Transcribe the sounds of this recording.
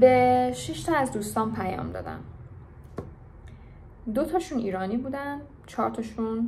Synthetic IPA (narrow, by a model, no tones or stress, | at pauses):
beʃiʃt̪ʰɒæzd̪uːst̪ɒːnpʰæjɒ̰ːmd̪ɒ̰ːd̪æ̰n | d̪ot̪ʰɒːʃuːniːɾɒːniːbuːd̪æn | t͡ʃʰɒːɾt̪ʰɒʃun